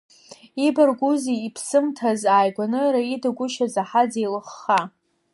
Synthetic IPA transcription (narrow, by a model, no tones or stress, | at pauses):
ibarɡʷuziːpʰsɨmtʰazaːjɡʷanɨɾaidaɡʷʊʃazaħad͡zejlɨχːa